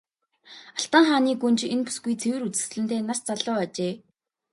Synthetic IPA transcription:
aɬt̪aːŋχaːniːɡunt͡ɕenpu̥sɡujt͡sʰewɘ̆ɾut͡sɘ̥̆sɮɘ̆n̥t̪ʰeːnast͡saɮʊːat͡ɕeː

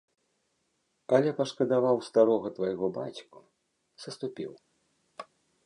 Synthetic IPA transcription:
ɐlʲɛpɐʂkɐd̪avawst̪aɾɔɣɐt̪vɐjɣɔbat͡sʲku | sɐst̪upʲḭw

